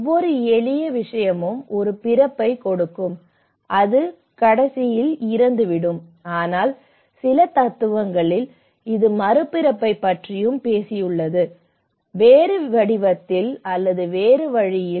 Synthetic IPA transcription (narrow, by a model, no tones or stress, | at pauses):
ɔʋːɔɾɯɛɭɪjɐʋɪʂɐjɐmɯmɔɾɯpɪɾɐpːɐɪkɔɽɯkːɯm | ʔɐðɯ | kɐɽɐsɪjɪlɪɾɐnd̪ɯʋɪɽɯm | aːnaːl | sɪlɐt̪ɐt̪ːɯʋɐŋɡɐɭɪl | ɪðɯmɐɾɯpːɪɾɐpːɐɪpːɐʈrɪjɯmpeːsɪjɯɭːɐðɯ | ʋeːɾɯʋɐɽɪʋɐt̪ːɪlɐlːɐðɯʋeːɾɯʋɐɻɪjɪ